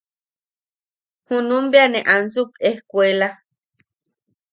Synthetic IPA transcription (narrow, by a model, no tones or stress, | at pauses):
hunũmbeanẽʔans̬ukehkʷela